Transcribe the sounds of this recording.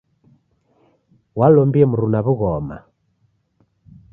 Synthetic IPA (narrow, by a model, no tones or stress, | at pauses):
walɔmbiɛmuɾunaβuɣɔma̰